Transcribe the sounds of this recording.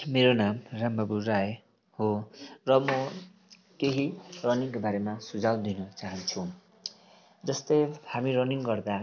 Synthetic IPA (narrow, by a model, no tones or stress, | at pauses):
meɾonamrambaburae | horʌmʌ | keɦirʌniŋkobaɾemasud͡zawd̪inʌt͡saɦʌnt͡sʰũ | d͡zʌst̪ʌjhamirʌniŋɡʌrd̪a